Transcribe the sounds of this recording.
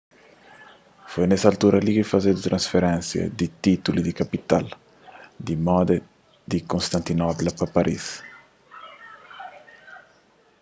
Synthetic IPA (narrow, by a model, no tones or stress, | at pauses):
fojnɛsɐalt̪uɾɐlikifazed̪it̪ɾɐ̃nsfeɾɛ̃nsjɐ̰d̪it̪it̪ulid̪ikapit̪al | d̪imɔd̪ɐ | d̪ikõnst̪ãnt̪inɔplɐpɐpaɾʔḭs